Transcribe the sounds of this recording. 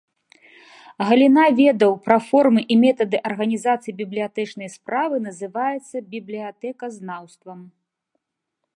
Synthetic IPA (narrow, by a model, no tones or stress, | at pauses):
ɣɐlʲinavʲɛd̪ɐwpɾɐfɔrmɨʔimʲɛt̪ɐd̪ɨʔɐrɣɐnʲizat̪sɨjibʲiblʲijat̪ɛt͡ʂnɐjspɾavɨnɐzɨvajɛt̪sːɐbʲiblʲijat̪ɛkɐznawst̪vɐm